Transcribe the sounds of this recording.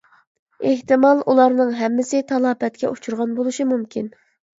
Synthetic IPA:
eht̪ɨmɑlˠʔulˠɑɾnɨŋɦɛmːɪsɪt̪ʰɑlˠɑːbɛt̪̚kʲɛʔut͡ʃʰuɾʁɑnbolˠuʃimumkʲʰin

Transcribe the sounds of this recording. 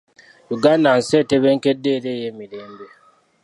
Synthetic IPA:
juɡanan̩sɛteβeŋ̩kedːeɾejemilembe

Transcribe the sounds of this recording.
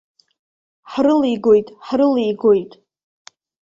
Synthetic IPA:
ħrɨliɡo̞jtʼħrɨlijɡo̞jtʼ

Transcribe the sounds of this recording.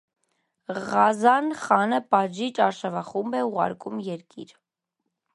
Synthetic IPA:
ʁɑzɑnχɑnəpɑʒit͡ʃɑɾʃɑvɑχumbɛuʁɑ̰ɾkumjɛɾkiɾ

